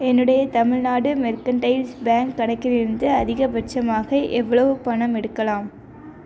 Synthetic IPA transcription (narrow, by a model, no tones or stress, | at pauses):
ɛnːɯɽɐjɐt̪ɐmɪɻnaːɽɯmɛɾkɐɳʈɐɪlsbaːŋkːɐɽɐɪkːɪlɪɾɯnd̪ɯɐðɪɣɐbɐʈt͡ʃɐmaːɣɐʔɛʋːɐɭɐʋɯpɐɳɐmɛɽɯkːɐlaːm